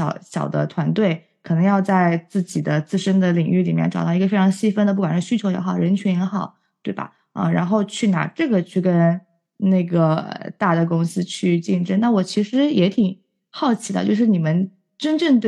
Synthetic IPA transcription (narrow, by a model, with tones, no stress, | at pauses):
ɑ˨˩˦ʊɕjɑ̰˨˩ʊd̪ə̰˦t̪ʰwa˧˥nt̪we˥˩ɪ | kʰɤ˨˩nɤ˧˥ŋjɑ˥˧ʊt͡sa˥˧ɪt͡sɹ̩˥˩t͡ɕi˨˩d̪ə˦t͡sɹ̩˥˩ʂə˥ŋd̪ə˨li˨˩ŋy˥˩li˨˩mjɛ̰˥˩nʈ͡ʂɑ˨˩ʊd̪ɑ˥˩˧ɡə˧fe˥ɪʈ͡ʂʰɑ˧˥ŋɕi˥fə˥nd̪ə˧pu˥˩kwa˨˩nʂ̩˥˩ɕy˥t͡ɕʰjo˧˥ʊjɛ̰˧˥xɑ˨˩ʊɻə˧˥nt͡ɕʰɥɛ˧˥njɛ˧˥xɑ˨˩˦ʊ | t̪we˥˩ɪbɐ̰˩ | ə̰˧ɻa˧˥nxo˥˧ʊt͡ɕʰy˥˩na̰˨˩ʈ͡ʂɤ˥˩ɡə˩t͡ɕʰy˥˩kə˥n | na˥˩ɡə˩ə̰˧˩t̪a˥˩d̪ə˩kʊ˥ŋsɹ̩˥t͡ɕʰy˥˧t͡ɕi˥˩nʈ͡ʂə˥na˥˩wɔ˨˩t͡ɕʰi˧˥ʂɻ̩˧˥jɛ˧˥t̪ʰi˨˩ŋ | xɑ˥˩ʊt͡ɕʰi˧˥d̪ə̰˧t͡ɕjo˥˧ʊʂɻ̩˥˩ni˨˩mə˦n | ʈ͡ʂə˥nʈ͡ʂɤ˥˧ŋt̪